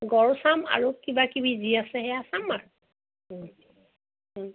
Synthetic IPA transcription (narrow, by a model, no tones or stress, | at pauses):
ɡɔɹsama̰ɹukibakibiziasɛɦɛasamaɹ